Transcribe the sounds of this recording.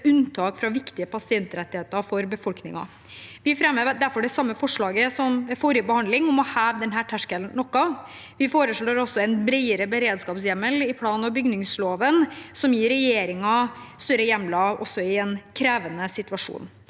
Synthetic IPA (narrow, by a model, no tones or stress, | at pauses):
ʉnt̪ʰɑːkfɾɑʋɪkt̪ɪəpʰɑsɪɛnt̪ɾɛt̪ːɪheːt̪əɾfɔɾbəfɔlknɪ̰ŋɑ̰ | ʋɪfɾɛmːəʋd̪æɾfɔɖɛsɑmːəfɔʂɭɑːɡəsɔmfoːɾəbəhɑnd̪lɪŋɔmɔhæːʋd̪ɛnɦæːʈʰæʂkəlnnɔkːɑ | ʋɪfoːɾəʂɭoːɾɔsːɔɛnbɾæɪəɾəbəɾeːd̪skɑːpsjɛmːəlɪpʰlɑːnɑbʏɡnɪŋsloːʋənsɔmjiːɾɛjeːɾɪŋɑ | st̪œɾəjɛmːlɑʔɔsːɔɪɛnkʰɾeːʋənəsɪt̪ʉɑʂṵːn